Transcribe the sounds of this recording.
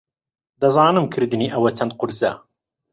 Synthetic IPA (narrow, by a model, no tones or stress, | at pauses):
d̪ɐzɑːnɨmkʰɨɾd̪ɨniːʔɐwɐt͡ʃʰɐnd̪̚qʊɾzɐ̰